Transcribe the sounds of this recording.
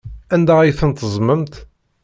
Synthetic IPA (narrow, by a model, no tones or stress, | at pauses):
ænd̪æijθənt̪əzˤməmt̪